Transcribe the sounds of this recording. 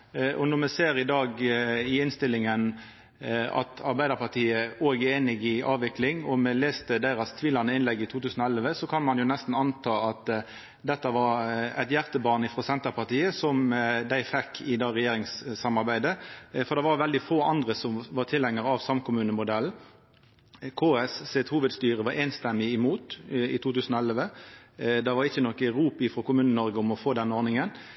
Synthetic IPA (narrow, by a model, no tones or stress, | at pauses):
ʔɔnɔʁmɛseːɾɪd̪ɑːɡɪɪnst̪ɪlːɪŋən | ɑ̰t̪ʰɑɾbæɪd̪əɾpɑʁt̪ʰiːəoːɡəeːnɪɡɪʔɑːʋʋɪklɪŋɔmɛleːst̪əd̪æɪɾɑst̪ʰʋiːlɑnəɪnlɛɡːɪt̪ʰuːt̪ʰʉːsn̩ɔɛlʋəsɔkʰɑnmɑnjʊnɛst̪n̩ɑnt̪ʰɑːɑt̪ | d̪ɛt̪ːəʋɑɾæ̰ɪt̪jæʁt̪əbɑːnɪfʁɔsɛnt̪əɾpɑʁt̪iːəsɔmd̪æɪfɛkʰːɪd̪ɑːɾɛjeːɾɪŋssɑmɑɾbæɪd̪əfɔʁd̪ɛʋɑɾʋɛld̪ɪfoːɑnd̪ɾəsɔmʋɑʁt̪ʰɪlhɛŋːəɾɑʋsɑmkʰʊmʉːnəmʊd̪ɛln̩ | kʰoːɛsset̪huːʋəd̪st̪yːʁəʋɑɾeːnst̪ɛmːɪɪmuːt̪ɪ̰t̪ʰuːt̪ʉːsnɔɛlʋə | d̪ɛʋɑɾɪçːənɔkːəɾuːpɪfɾɔkʊmʉːnənɔɾɡəʊmɔfoːd̪ɛnːəɔːɾnɪŋən